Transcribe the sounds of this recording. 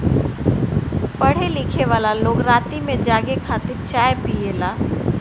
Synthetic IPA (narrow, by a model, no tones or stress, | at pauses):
pɐɽ̤elɪkʰeʋaːlaloːɡɾaːt̪imẽd͡ʒaːɡekʰaːt̪ɪɾt͡ʃaːjpieːlaː